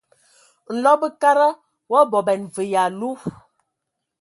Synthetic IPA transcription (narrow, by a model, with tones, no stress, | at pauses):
n̩˨lɔ˦bə˦ka˦ɾə˦ | wɔ˦bɔ˨bɛ˨nvə˨ja˨lu˦